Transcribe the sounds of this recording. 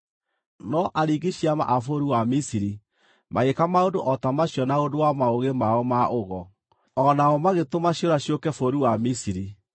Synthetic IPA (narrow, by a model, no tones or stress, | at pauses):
nɔʔaɾiɡiɕiama̰ʔafoɾuwamisiɾi | maekamaodoʔɔtamaɕjɔnaodowamaoɣemaɔmaʔoɣɔ | ɔnaɔmaɣetomaɕjoɾaɕjokɛfoɾuwamisiɾi